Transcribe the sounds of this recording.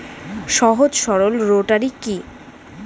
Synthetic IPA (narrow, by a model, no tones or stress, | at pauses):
ʃɔɦod͡ʑʃɔɾolɾoʈaɾiki